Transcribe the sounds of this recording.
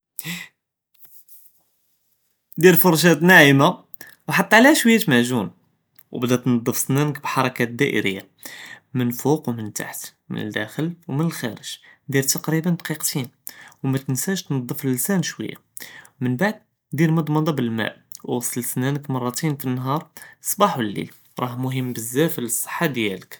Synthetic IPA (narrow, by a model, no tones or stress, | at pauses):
d̪iɾfʊɾˤʃ̬æt̪næʕəma | wħɑt̪ˤːɑʕlæhæʃwəjːæt̪maʕʒun | wbd̪æt̪nɑd̪ˤːəfsnænəkbħɑɾˤɑkæd̪æʔə̰ɾə̰jːa̰ | mənfuqwmənt̪a̰ħt̪mə̰nə̰ld̪æxəlwmənəlxæɾəʒ̥d̪iɾt̪ɑqɾibənd̪ɑqiqt̪inwmæt̪ənsæʃt̪nɑd̪ˤːəfllsænʃwə̰jːa̰wmənbaʕd̪̚ | d̪iɾmʊd̪ˤmɑd̪ˤɑbəlmæ̰ʔ | wwɑsˤlsnænəkmɑrˤːɑt̪infinːɦɑɾˤsˤbɑħwlːḭl | ɾˤɑhmʊɦəmːbəzːæfələsˤːə̥ħːad̪jælək